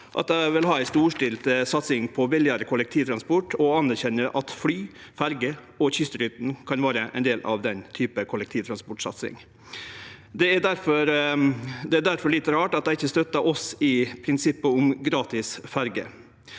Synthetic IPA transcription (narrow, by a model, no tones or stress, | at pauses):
ʔɑ̰t̪̚d̪æʋɪlɦɑːæɪst̪uːʂʈɪlt̪əsɑt̪sɪŋpʰɔʋɪlɪɑɾəkʰʊlɛk̚t̪ʰiːʋt̪ʰɾɑnspɔʈɔɑnæɾçɛnːəɾʔɑt̪flyːfæɾɡə | ɔçʏst̪əɾʏt̪n̩kʰɑnʋɑːɾəʔɛɪnd̪eːlɑ̰ʋd̪ɛnt̪ʰyːpəkʰʊlɛk̚t̪ʰiːʋt̪ɾɑnspɔʈʂɑ̰t̪sɪ̰ŋ | d̪ɛæd̪æɾfɔɾ | d̪ɛæɖ̪æɾfɔɭɪt̪ːəɾɑːʈɑt̪̚d̪æɪɪçːəst̪œt̪ːɑʔɔsɪpʰɾɪnsɪpːəʊmɡɾɑːt̪ɪsfæɾɡə̰